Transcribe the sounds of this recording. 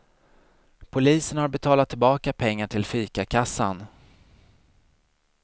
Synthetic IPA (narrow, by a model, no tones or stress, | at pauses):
pʰʊliːsənhaɾbɛt̪ʰɑːlat̪ʰːɪlbɑːkapʰɛŋːaʈʰɪlfyːkakʰasːa̰n